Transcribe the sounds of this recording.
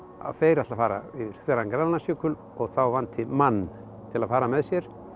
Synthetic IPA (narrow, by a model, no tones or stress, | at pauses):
a̰feːjɾaht̪lafaːɾa̰iɾ̥θɛːɾankɾalnasʏːkʏl | ɔɣθawvant̪ɪmanː | t̪ʰɪlaðfaːɾamɛðsjɛɾ̥